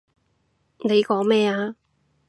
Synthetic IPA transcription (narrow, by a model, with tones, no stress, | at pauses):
ne˨˧jkɔː˨˥ŋmɛː˥aː˧